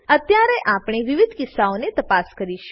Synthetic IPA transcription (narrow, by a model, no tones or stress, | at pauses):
ət̪jaɾeʔapɽ̃eʋɪʋɪd̪ʱkɪsːaonet̪əpaskəɾiʃ